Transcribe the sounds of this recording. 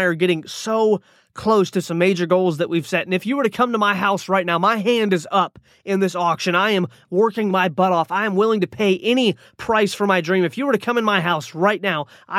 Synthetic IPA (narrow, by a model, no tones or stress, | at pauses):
ɪə˞ɡɛɾɪ̃ŋsoʊ | kʰl̥oʊstʰɨsʌ̃meɪd͡ʒə˞ɡoʊlˠzðɨʔwiv̥sɛɾ̃n̩ɨfjɨwə˞ɾɨkʰʌ̃mtəmaɪɦaʊsɹaɪtⁿnaʊmaɪɦæ̃ndɨzʌp | ɨ̃nðɪsɔkʃɨ̃ñaɪɨ̃m | wɜ˞kɪ̃ŋmaɪbʌɾɔfaɪɨ̃mwɪlˠɪ̃ŋtɨpʰeɪʔɛñi | pʰɹ̥aɪsfə˞maɪdɹĩmɨfjɨwə˞ɾɨkʰʌ̃mɨ̃nmaɪɦaʊsɹaɪtⁿnaʊ | ʔaɪ